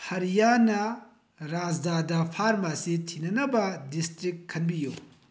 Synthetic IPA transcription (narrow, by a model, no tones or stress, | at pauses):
hɐɾijanɐ | ɾad͡ʒdadɐpʰaɾmasitʰinɐnɐbɐdistɾikkʰːɐnbijṵ